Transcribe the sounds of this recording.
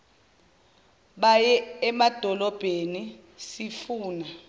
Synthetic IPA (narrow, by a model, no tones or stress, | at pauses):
ɓajɛɛmad̥ʱɔlɔb̥ʱeni | sifuːna